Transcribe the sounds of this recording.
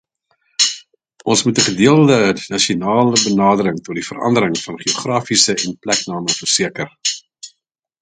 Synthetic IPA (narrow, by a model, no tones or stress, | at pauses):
ʔɔnsmutəχədiəlˠdənɐʃionɑːləbənɑːdəɾəŋtɔt̚difəɾɐ̰ndəɾəŋfɐnχioχrɑːfisəɛnplɛknɑːməfərsiəkər